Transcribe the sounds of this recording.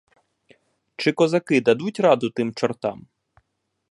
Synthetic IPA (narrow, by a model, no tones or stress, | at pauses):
t͡ʃɪkɔzɐkɪd̪ɐd̪utʲɾɑd̪ʊt̪ɪmt͡ʃɔrt̪ɑ̰m